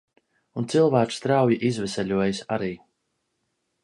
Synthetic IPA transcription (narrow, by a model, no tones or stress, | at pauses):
unt̪silˠvæːt͡ʃst̪ɾawjiʔizvɛsʲɛʎʲuɔjsaɾiː